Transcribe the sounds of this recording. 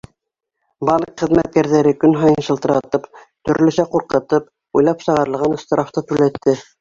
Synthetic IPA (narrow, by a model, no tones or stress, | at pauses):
bɑnqχɘ̆ðmæt̪̚kæɾðæɾɘkɵnɦɑjɤnʃɤ̆lˠt̪ɤ̆ɾɑt̪ɤp | t̪ɵ̆ɾlɵ̆sæquɾqɤ̆t̪ɤp̚ | ujlˠɑpsɤ̆ʁɑɾɤ̆lˠʁɑn̆st̪ɤ̆ɾɑft̪ɤt̪ʉlæt̪ːɘ